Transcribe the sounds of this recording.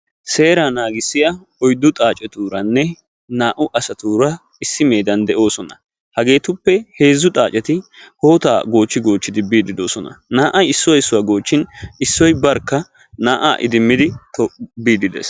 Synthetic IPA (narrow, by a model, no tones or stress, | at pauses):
se̞ːɾanaːɡɪsːɪjɐ | ɔjd̪ʊt̪ʼaːt͡ʃʼɛt̪uːɾɐnːɛ | naːʔʊʔɐsɐt̪uːɾɐ | ɪsːɪme̞ːd̪ɐnd̪ɛʔo̞ːsɔnɐ | hɐɡe̞ːt̪ʊpːɛhe̞ːzːʊt̪ʼaːt͡ʃʼːɛt̪ɪhoːt̪a̰ːɡo̞ːt͡ʃːɪɡo̞ːt͡ʃːɪd̪ɪbiːd̪ɪd̪o̞ːsɔnɐ̰naːʔɐjɪsːɔɪsːʊwaːɡo̞ːt͡ʃːɪnɪsːɔjbɐɾkːɐ | naːʔa̰ːʔɪ̰d̪ɪmːɪd̪ɪt̪ɔbiːd̪ɪd̪ɛ̰s